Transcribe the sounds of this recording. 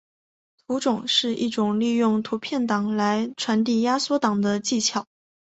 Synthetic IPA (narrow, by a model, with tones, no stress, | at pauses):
t̪ʰu˧˥ʈ͡ʂʊ˨˩ŋʂɻ̩˥˧ʔi˥˩ʈ͡ʂʊ˨˩ŋli˥˧jʊ˥˩ŋt̪ʰu˧˥pʰjɛ˥˩nt̪ɑ˨˩ŋla˧˥ɪʈ͡ʂʰwa˧˥nt̪̬i˥˩ja˥swɔ˥t̪ɑ˨˩ŋd̪ə˦t͡ɕi˥˩t͡ɕʰjɑ˨˩˦